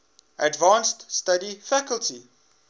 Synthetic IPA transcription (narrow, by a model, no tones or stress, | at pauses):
ʔədvɑ̃ːnststadifækəlˠti